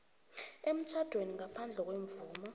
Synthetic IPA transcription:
em̩t͡ʃʰad̥ʱweniŋapʰand͡ɮʱɛk̬weɱvuːma

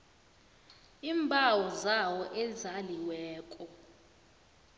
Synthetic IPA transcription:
iːmbʱawɔzawɔʔɛzaliwɛːkʼɔ

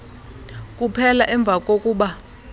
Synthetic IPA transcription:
k̬ʼupʰɛlaʔɛɱb̪vʱak̬ʼokʼuːɓa

